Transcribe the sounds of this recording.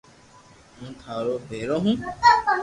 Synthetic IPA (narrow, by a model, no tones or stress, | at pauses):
ɦũːt̪ʰaːɾoːbʱeːɾõːɦũː